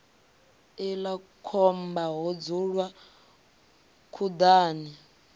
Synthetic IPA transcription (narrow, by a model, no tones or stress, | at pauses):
ilakʰɔmbaɦɔd͡zuɺwa | kʰud̪aːni